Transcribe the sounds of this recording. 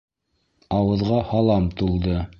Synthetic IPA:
ɑwɤ̆ðʁɑhɑlˠɑmt̪ulˠd̪ɤ

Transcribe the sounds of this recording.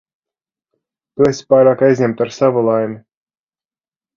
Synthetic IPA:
t̪uesʲi̥pajɾaːkajzʲɲʲɛmt̪aɾsavulˠajmʲi

